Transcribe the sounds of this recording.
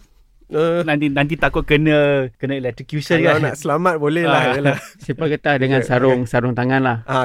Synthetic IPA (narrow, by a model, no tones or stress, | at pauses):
ənãnt̪inãnt̪̬it̪akʊt̪̚kənə̃kənə̃ilɛt̪ɾikjusənkaanaʔsəlamat̪̚bolɛhlaalsipəɡət̪ahdəŋãnsaɾʊŋsaɾʊŋt̪aŋanlaha